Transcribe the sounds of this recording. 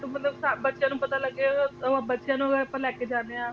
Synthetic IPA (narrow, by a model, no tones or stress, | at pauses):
t̪umət̪ləbsabətːʃjãːnũːpət̪aːləɡːeːãbətːʃjãːnũəɡɾəpːəlɛːkeːd͡ʒaːneãː